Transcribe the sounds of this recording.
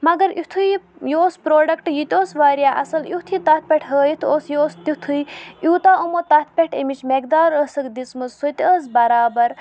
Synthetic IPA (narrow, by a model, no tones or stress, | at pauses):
mɐɡɐɾit̪ʰujjoːspɾoːɖɐkʈjut̪ʲoːsʋaːɾʲjaːʔɐ̰sɐlut̪ʰit̪ɐt̪̚ʰpʲeʈʰɦəːjit̪ʰoːsjoːst̪it̪ʰujuːt̪aːʔumot̪ɐt̪̚ʰpʲeʈʰḛmit͡ʃmek̚d̪aːɾəsəkd̪it͡smɨzsot̪ʲəːzbɐɾaːbɐɾ